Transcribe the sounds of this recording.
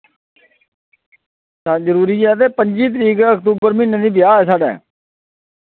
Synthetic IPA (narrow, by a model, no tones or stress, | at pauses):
sazəɾuːɾiːɛːət̪̬eːpəɲd͡ʒiːt̪̬əɾiːkːəkt̪uːbəɾmɪnəniːbɪjaːɛːsaːɖɛ̰ː